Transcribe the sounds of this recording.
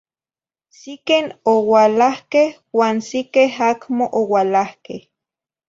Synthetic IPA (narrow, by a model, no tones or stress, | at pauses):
sikenowalahkeh | waːnsikeɦakmoʔowalahkeh